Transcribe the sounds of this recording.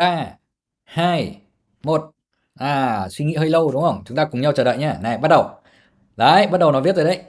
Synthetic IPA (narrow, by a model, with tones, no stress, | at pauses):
ɓaː˧ | haː˧˩j | mo˨˩t̚ | ʔaː˨˩swi˧ŋḭ˧˥həː˧jlə˧wɗʊ˨˦ŋ͡mhə˧˩wŋ͡mt͡ɕʊ˨˦ŋ͡mt̪aː˧kʊ˨˩ŋ͡mɲa˧wt͡ɕəː˨˩ɗə̰ː˧˨jɲaː˧˩na˨˩ɓa˦˥t̚ɗə˨˩w | laː˨˦jɓa˦˥t̚ɗə˨˩wnɔ˨˦i˦˥t̪̚ːəː˨˩ɗə˧˩˦j